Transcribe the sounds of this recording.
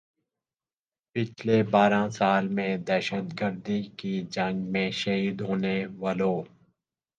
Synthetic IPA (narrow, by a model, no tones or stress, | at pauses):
pɪt͡ʃʰlebaːɾãsaːlmẽd̪ɛːʃət̪ɡəɾd̪ikid͡ʒə̃ŋɡmẽʃɐɦiːd̪ɦoːneʋaːloː